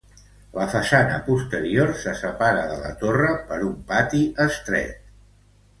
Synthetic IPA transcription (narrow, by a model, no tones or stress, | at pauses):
ləfəsanə̰pust̪əɾiorsəsəpaɾəðələ̰t̪orəpəɾumpat̪iʔəst̪ɾɛ̰t̪̚